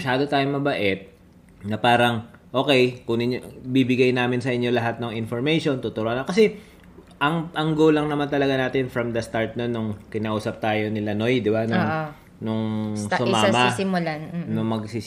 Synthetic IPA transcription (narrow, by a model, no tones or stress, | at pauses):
ʃaːd̪o̞t̪aːjoŋmɐbɐʔɛt̪̚ | nɐpaːɾɐŋʔo̞ːkɛjkʊŋnɪɲobibɪɡajnaːmɪnsɐʔɪɲːo̞lɐɦat̪̚nʊŋɪnfoɹmɛjʃont̪ʊt̪ʊɾoʔɐnɐkɐsɛ | ʔɐŋʔɐŋɡoːlɐŋnɐmant̪ɐlɐɡanaːt̪ɪnfɾɐmd̪ɐst̪aɹt̪̚nonːʊŋkɪnaːʔuːsɐp̚t̪aːjo̞nɪlɐno̞jd̪ɪbanʊŋ | nʊŋsʊmaːmɐsɪmʊlannʊŋmɐɡsiː